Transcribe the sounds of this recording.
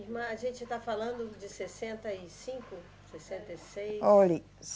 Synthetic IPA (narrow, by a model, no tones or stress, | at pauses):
hmɐ̃ɐʒẽnt͡ʃɪt̪afalɐ̃nd̪ʊd͡ʒɪsesẽnt̪ɐisĩkʊ | sesẽnt̪ɐisejoli | s